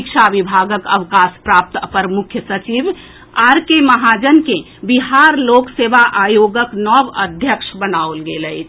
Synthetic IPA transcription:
kʃʰaʋibʱaːɡəkəʋkaːspɾaːp̚t̪pəɾmʊkʰjəsət͡ʃiʋ | aɾkeməɦad͡ʒənkẽ | biɦaːɾloːkseʋaʔaːjoɡəknɔʋə̰d̪ʱjəkʃbənaolɡelət͡ʃʰ

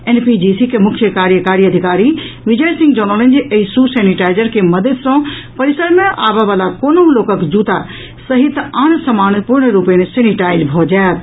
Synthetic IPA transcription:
ɛːnpid͡ʑiːsikʰemʊkʰjəkaːɾjəkaːɾiɐd̪ʱɪkaːɾiʋɪd͡ʑəjsɪ̃ŋɡd͡ʑɐɾnələnɪ̆d͡ʑeʔesusɛːnɪʈaːɪzəɾkʰemɐd̪əd̪sãpɐɾɪsəɾmẽʔaːʋaʋaːlakoːnoloːkəkd͡ʑuːt̪a | sɐɦɪt̪aːɽ̃sɐmaːñpuɾɳɾuːpiənɪsɛːniʈaːɪzbʱod͡ʑaːj

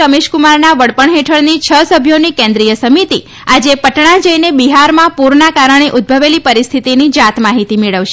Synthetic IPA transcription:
əmeʃkumaɾnaʋəɽpəɳɦeʈʰəɭnit͡ʃʰəsəbʱjonikẽnd̪ɾijəsəmit̪i | ad͡ʒepəʈɳãd͡ʒəinebiɦaɾmãpuɾɳakaɾəɳ̃eʔʊd̪̚bʱəʋelipəɾist̪ʰit̪inid͡ʒat̪maɦit̪imeɭəʋʃe

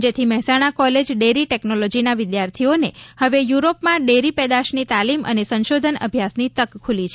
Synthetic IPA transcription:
d͡ʒet̪ʰimɛɦɛsaɽ̃akɔled͡ʒɖeɾiʈɛknolɔd͡ʒinaʋɪd̪jaɾt̪ʰionehəʋejuɾopmãɖeɾipɛd̪aʃnit̪alimə̰nesə̃nʃod̪ʱənə̰bʱjasnit̪əkkʰːulit͡ʃʰ

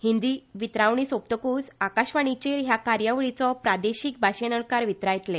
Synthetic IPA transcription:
hind̪iːʋit̪ɾaʋɳ̃isop̚t̪əkuːsakaɕʋaɳ̃it͡ɕeɾɦjakaɾjaʋɭit͡sɔpɾad̪eɕiːk̚bʱaɕenəɳkaɾʋit̪ɾajt̪le

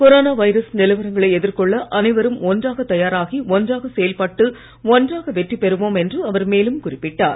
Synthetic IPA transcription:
kɔɾoːnaːʋɐɪɾɐsnɪlɐɪʋɐɾɐŋɡɐɭɐɪɛðɪɾkɔɭːɐʔɐnɐɪʋɐɾɯmɔndraːɣɐt̪ːɐjaːɾaːɣiɔndraːɣɐsɛjɐlpɐʈːɯ | ɔndraːɣɐʋɛʈripːɛɾɯʋoːmɛndrɯɐʋɐɾmeːlɯmkʊrɪpːɪʈːaːɾ

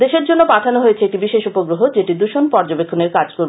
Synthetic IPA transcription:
d̪eʃeɾd͡ʑonːopaʈʰanoɦojet͡ɕʰeeʈibiʃeʃupoɡɾoɦod͡ʑeʈid̪uʃonpɔɾd͡ʑobekʰːoneɾkad͡ʑkoɾb

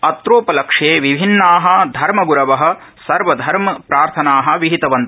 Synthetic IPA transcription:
ɐt̪ɾoːpɐlɐkʂeːʋibʱinːaːɦɐ̆d̪ʱɐɾmɐɡuɾɐʋɐɦɐ̆ | sɐɾʋɐd̪ʱɐɾmɐpɾaːɾt̪ʰɐnaːɦɐ̆ʋiɦit̪ɐʋɐnt̪ɐ

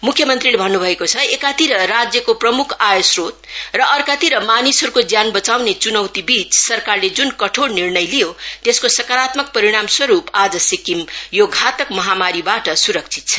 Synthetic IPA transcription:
mukʰjʌmʌnt̪rilebʱʌnːubʱʌekot͡sʰʌekat̪iɾʌɾad͡zjʌkoprʌmukʰajosrot̪̚rʌʔʌrkat̪iɾʌmanisɦʌɾukod͡zjanbʌt͡sawnet͡sunʌwt̪ibit͡ssʌrkarled͡zunkʌʈʰoɽnirnʌjlijot̪eskosʌkaɾat̪mʌk̚pʌɾiɽ̃amswʌɾupad͡zʌsikimjoɡʱat̪ʌkmʌɦamaɾibaʈʌsuɾʌk̚t͡sʰi̥t̪̚t͡sʰʌ̥

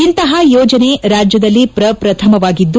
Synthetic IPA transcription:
int̪ɐɦɐjɔːd͡ʒɐne̞ɾaːd͡ʒjɐd̪ɐlːipɾɐpɾɐt̪ʰɐmɐʋaːɡid̪ːu

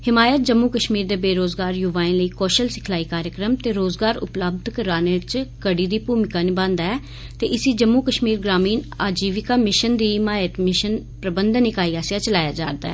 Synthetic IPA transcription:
hɪmaːjət̪̚d͡ʒəmːuːkəʃmiːɾd̪eːbeːɾoːzɡaːɾjʊʋaːẽːləiːkɔːʃəlsɪ̥kʰlaːiːkaːɾjəkɾəmt̪eːɾoːzɡaːɾʊ̰pləb̚d̪ʱkəɾaːneːt͡ʃkəɽiːd̪iːpuːmɪkaːnibãːnd̪aːɛː | t̪eːʔɪsiːd͡ʒəmːuːkəʃmiːɾɡɾaːmiːnaːd͡ʒiːʋɪkaːmɪʃənd̪iːɦmaːjət̪mɪʃən | pɾəbənd̪nɪkaːiːaːsijaːt͡ʃəlaːjaːd͡ʒaːɾd̪a̰ːɛ̰ː

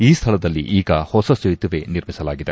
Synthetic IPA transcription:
iːst̪ʰɐɭɐd̪ɐlːḭʔiːɡɐhɔsɐsejt̪uʋeniɾmisɐlaːɡid̪e̞

